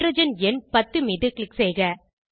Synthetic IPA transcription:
ɾɐd͡ʒɐnɛnpɐt̪ːɯmɪðɯklɪksɛjɣɐ

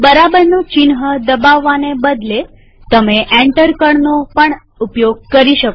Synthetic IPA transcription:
bəɾabəɾnot͡ʃinɦəd̪əbaʋːanebəd̪le | t̪əmeʔɛ̃ɳʈəɾkəɳnopəɳ | upjoɡ̚kəɾiʃəko

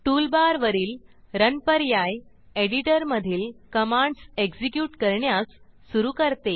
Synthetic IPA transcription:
ʈuːlbaɾʋəɾiːl | ɾənpəɾjaj | eɽiʈəɾməd̪ʱiːlkəmãɳɖseɡsikjuːʈkəɾɳjasː | uɾuːkəɾt̪e

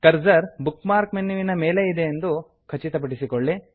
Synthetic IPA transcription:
kɐɾd͡ʒɐɾbukmaːɾkmenːuʋinɐmeːleid̪e̞ːnd̪u | kʰɐt͡ʃit̪ɐp̬ɐʈisikoɭːi

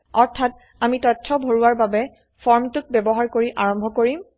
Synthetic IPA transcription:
ɔɹtʰat̚ | amitɔtʰːɔbʱoɹuwaɹbabɛ | fʰɔɹmtʊk̚bɛbɔɦaɹkoɹiʔaɹɔ̃mbʱɔkoɹim

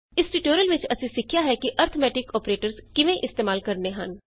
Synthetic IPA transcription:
ɪsʈiʈoːɾiəlʋɪt͡ʃəsĩːsɪkʰjaːɦɛːkiʔəɾt̪ʰəmɛːʈɪkɔːpɾeːʈəɾskɪʋẽːʔɪst̪eːmaːlkəɾneːɦən

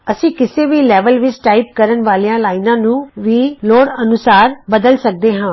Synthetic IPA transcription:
əsĩːkɪseːʋiːlɛːʋəlʋɪt͡ʃʈaːɪp̚kəɾənʋaːlijãːlaːɪnãːnũːʋiːloːɽənʊsaːɾbəd̪əlsək̚d̪eːɦãː

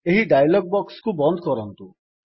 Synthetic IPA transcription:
eɦiɖajlɔɡ̚bɔkskubɔnd̪ʱɔkɔɾɔnt̪u

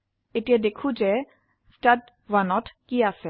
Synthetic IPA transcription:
eʈied̪ekʰud͡ʒe | sʈad | vanɔʈkiasɛ

